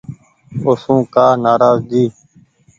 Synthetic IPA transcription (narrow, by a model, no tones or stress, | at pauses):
osũːkaːnaːɾaːzd̪iː